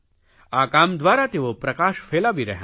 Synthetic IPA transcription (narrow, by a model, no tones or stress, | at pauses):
aːkaːmd̪ʋaːɾaːt̪eːʋopɾɐkaːʃfʰeːlaːbʱiɾɐɦ